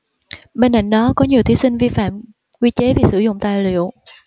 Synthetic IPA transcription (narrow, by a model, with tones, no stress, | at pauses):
ɓe˧nʔa̰˧˩˨jŋ̟ɗɔ˨˦kɔ˨˦ɲi˨˩əwt̪ʰi˨˦sï˧ŋ̟vi˧fa̰ː˧˨m | kwi˧t͡ɕe˨˦vi˨˩sɨ˧˩zʊ̰˧˨ŋ͡mt̪a̰ː˧˨jlḭ˧˨əw